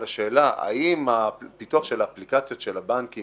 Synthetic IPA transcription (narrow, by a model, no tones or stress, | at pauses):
laʃe̞ːlaʔa̰imapituaχʃelaːplikat͡sjo̞t̪ʃelabanki